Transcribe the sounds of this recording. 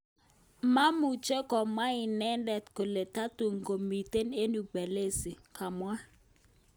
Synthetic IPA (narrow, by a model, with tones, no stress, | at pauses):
ma˦mu˨t͡ʃe˦kɔ˨ma˦ɪ˨nɛ˦ndɛ˨tko˨le˨ta˦tu˨ŋɡo˨mi˨te˦ne˦nu˨be˨le˦si˨ka˨mwa˦